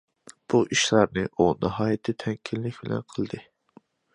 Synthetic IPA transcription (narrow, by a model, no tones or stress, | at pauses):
b̥uʔiʃlˠɑɾnɨʔunɨɦɑːjɛt̪ʰɪt̪ʰɛŋkʲʰilːɪkʲbɪlɛ̰nqʰəlˠd̪ɨ